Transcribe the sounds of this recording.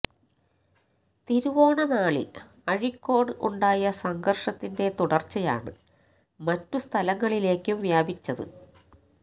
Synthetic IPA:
t̪iɾuʋo̞ːɳɐnaːɭḭ | ɐɻikːo̞ːɽɨʔuɳɖaːjɐsɐŋɡɐrʂɐt̪ːinde̞t̪uɽɐrt͡ɕːɐja̰ːɳɨ̰ | mɐtːust̪ʰɐlɐŋːɐɭile̞ːkːɨʋjaːbit͡ɕːɐðɨ̰

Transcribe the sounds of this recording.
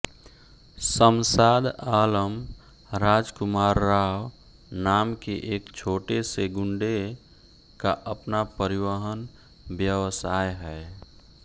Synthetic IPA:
səmsaːd̪aːləm | ɾaːd͡ʒkʊmaːɾːaw | naːmkeʔeːkt͡ʃʰoːʈeseɡʊɳɖe | kaʔəpnapəɾiʋəɦən | bjəʋsajɦɛ

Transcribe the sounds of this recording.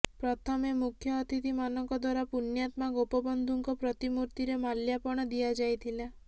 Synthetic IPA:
pɾɔt̪ʰɔmemukʰjɔːt̪ʰit̪imanɔŋkɔd̪waɾapunjat̪maɡopɔbɔnd̪ʱuŋkɔpɾɔt̪imuɾt̪iɾemaljapɔɽ̃ɔd̪iad͡ʒajt̪ʰila

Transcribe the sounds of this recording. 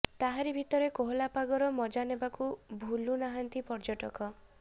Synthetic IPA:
t̪aɦaɾibʱit̪ɔɾekoɦlapaɡɔɾɔmɔd͡ʒanebakubʱulunaɦant̪ipɔɾd͡ʒɔʈɔkɔ

